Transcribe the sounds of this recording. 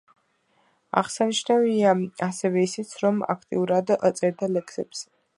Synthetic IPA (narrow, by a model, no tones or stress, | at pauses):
a̰ʁsaniʃnaviaasɛvɛisit̪sʰɾɔma̰kʰt̪ʼḭuɾad̪t̪sʼɛɾd̪alɛkʰsɛ̰bs